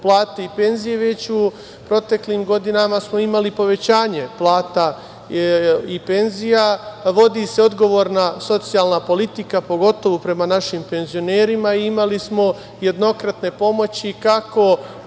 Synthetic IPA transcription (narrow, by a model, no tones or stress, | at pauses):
plˠaːt̪eipe̞nzije̞ʋe̞t͡ɕu | pɾo̞t̪e̞kliːmɡo̞d̪inamasmo̞imalipo̞ʋe̞t͡ɕaːɲe̞plˠaːt̪a | ipe̞nzijaʋo̞d̪ise̞o̞d̪ɡo̞ʋo̞ːɾnaso̞t̪sijalˠnapo̞lit̪ikapo̞ɡo̞t̪o̞ʋopɾe̞manaʃimpe̞nzio̞ne̞ːɾimaiimalismo̞ | je̞d̪no̞kɾat̪ne̞po̞mo̞t͡ɕikako̞